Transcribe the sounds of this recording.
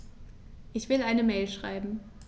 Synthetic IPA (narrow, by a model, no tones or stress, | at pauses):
ʔɪçv̥ɪlʔaɪnəmɛːlʃʁ̥a̰ɪbm̩